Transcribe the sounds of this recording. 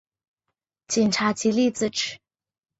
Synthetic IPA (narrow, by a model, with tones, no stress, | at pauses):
t͡ɕi˨˩nʈ͡ʂʰa˧˥t͡ɕi˧˥li˥˧t͡sɹ̩˥˩ʈ͡ʂɻ̩˨˩˦